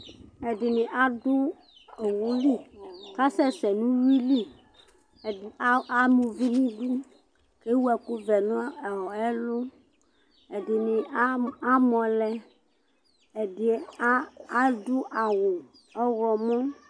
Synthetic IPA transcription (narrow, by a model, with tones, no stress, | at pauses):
ɛ˨dɪ˨nɪ̃˨ʔa˦dʊ˦˨ | wʊ˦li˦˨ka˦sɛ˦sɛ˨nũ˦wi˦li˦˨˦ | a˨mũ˨vi˦nĩ˦du˦ | ke˦wu˦ɛ˨kʊ˦vɛ˨nʊ̃˦˨ɛ˦lʊ˦ | ɛ˨dɪ˨nɪ˨˦a˦mɔ̃˨lɛ˦ | ɛ˨dɪ˨˦ | a˦dʊ˦ʔa˨wʊ˨ | ɔ˦ɣɔ˨mɔ̃˦